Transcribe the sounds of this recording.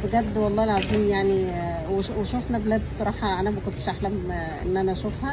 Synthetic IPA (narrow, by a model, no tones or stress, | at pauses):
beɡæd̪ːwɑlˤːɑːelʕaziːmjaʕni | weweʃofnæblæd̪sˤːɑɾˤɑːħɑʕænæmækolt̪e̥ʃʔaħlæm | ʔḛnːʔænæʔʃufhæ